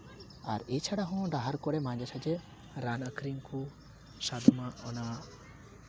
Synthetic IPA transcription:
a̰ɾet͡ʃʰaɽaɦɔ̃ɖaɦaɾkɔɾɛmãd͡ʒat͡ʃʰad͡ʒɛ | ɾanəkɾiŋkʰu | sad̪umaɔna

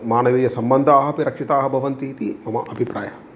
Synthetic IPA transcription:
maːnɐʋijɐsɐmbɐnd̪ʱaːɦɐpiɾɐkʂit̪aːɦɐbʱɐʋɐnt̪iɦit̪imɐmɐʔɐbʱipɾaːjɐ

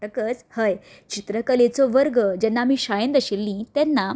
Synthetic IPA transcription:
əkət͡shəj | t͡ɕit̪ɾəkəlet͡sɔʋəɾɡəd͡ʑɛnːaːmĩɕajə̃nd̪əɕilːĩt̪ɛnːa

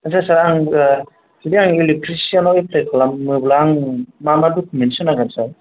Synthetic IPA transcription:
ansasaɾaŋ | sidiaŋilitɾisianɔiplekʰalamːɯblaŋmamadukʰmensɔnaɡansa

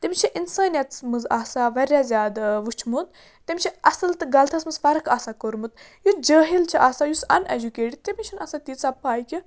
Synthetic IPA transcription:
t̪emʲt͡ʃʰiʔinsaːnjɐt̪smɨzaːsaʋɐɾʲjazʲjaːd̪ʋut͡ʃʰmut̪ | t̪emʲt͡ʃʰiɐsɨlt̪ɨɡɐlt̪ʰɐsmɐzfɐɾɨkʰaːsakoɾmɨt̪ | jud͡ʒəːɦilt͡ʃʰiʔaːsaːjusɐned͡ʒukeːʈit̪emit͡ʃʰinɐsat̪iːt͡sapaːjkʲi

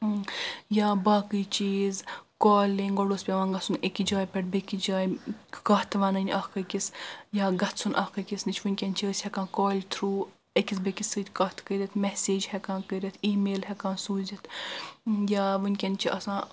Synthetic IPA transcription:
jaːbaːkɨjt͡ʃiːzkoːlʲiŋɡɔɽosʲpʲeʋãːnɡɐsunekid͡ʒaːjpʲɛʈ̚bekid͡ʒaːjkaːt̪ʰʋaːnɐnʲʔɐːxkɐkisjaːɡɐt̪sunʔɐ̰ːhkɐkʲisnit͡ʃʰʋunʲkʲenʲt͡ʃʰiəːsʲhɛkãːkoːlʲt̪ʰɾuː | ekʲis̬bekisɨːd̪ʲkɐːt̪ʰkəɾʲit̪ʰmɛseːd͡ʒhɛkãːkəɾʲit̪ʰiːmeːlɦɛkãːsuːzʲit̪ʰ | jaːʋɨnʲkʲenʲt͡ʃʰiʔɐsãː

